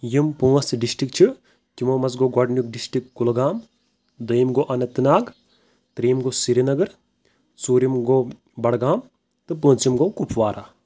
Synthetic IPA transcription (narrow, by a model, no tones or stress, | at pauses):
jimpuːɐsɖisʈɾik̚t͡ʃʰi | kimoːmɐs̬ɡoːɡɔɖnjuk̚ɖisʈikːulɡaːm | d̪əjmɡoːʔɐnɐt̪ɨnaːɡ | t̪ɾiːmɡoːsiɾinɐɡɐɾ | suːɾimɡoː | bɐɽɡaːm | t̪ɨp̬ũːnt͡simɡoːkupʰʋaːɾʔaː